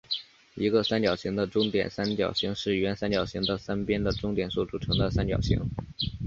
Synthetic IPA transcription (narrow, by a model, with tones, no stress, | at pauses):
i˧˥ɡə˧sa˥nt͡ɕjɑ˨˩ʊɕi˧˥ŋd̪ə˧ʈ͡ʂʊ˥ŋt̪jɛ̰˨˩nsa˥nt͡ɕjɑ̰˨˩ʊɕi˧˥ŋʂɻ̩˥˩ɥɛ˧˥nsa˥nt͡ɕjɑ˨˩ʊɕi˧˥ŋd̪ə˨sa˥npjɛ˥nd̪ə˨ʈ͡ʂʊ˥ŋt̪jɛ˨˩nsu˥˩ʈ͡ʂu˨˩ʈ͡ʂʰɤ˧˥ŋd̪ə˧sa˥nt͡ɕjɑ̰˨˩ʊɕḭ˧˥ŋ